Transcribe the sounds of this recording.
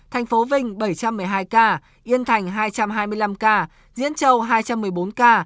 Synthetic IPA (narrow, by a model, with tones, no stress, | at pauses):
t̪ʰa˨˩jŋ̟fo˨˦vï˧˩ŋ̟ɓə˧˩jt͡ɕa˧mːɨ˨˩əjɦaː˧jkaː˧ | ʔi˧ənt̪ʰa˨˩jŋ̟ɦaː˧jt͡ɕa˧mɦaː˧jmɨ˧əjla˧mkaː˧ | zḭ˧˥ənt͡ɕə˧˩wɦaː˧jt͡ɕa˧mːɨ˨˩əjɓo˨˦nkaː˧